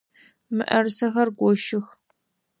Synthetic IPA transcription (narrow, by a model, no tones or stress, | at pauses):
mɨʔɐrsɐxɐrɡʷɔʃɪx